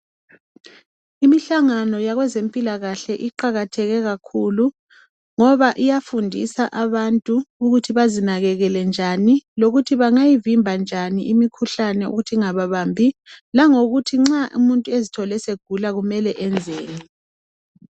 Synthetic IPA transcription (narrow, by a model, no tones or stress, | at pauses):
imiɬaŋanɔjaɣwɛzempʼilaɣaɬɛʔiǃaɣatʰɛɣɛɣakʰulu | ŋɔβaʔijafundʱḭsaʔaβantʼuuɣutʰiβazinaɣɛɣɛlɛnd͡ʒʱaniloɣutʰiβaŋajivimbʱand͡ʒʱaniʔimikʰuɬanɛṵɣutʰiŋaβaβambʱilaŋoɣutʰiŋ͡ǁaʔṵmuntʼuezitʰɔlɛseɡ̥ʱulaɣumɛlɛʔɛnd͡zʱeːni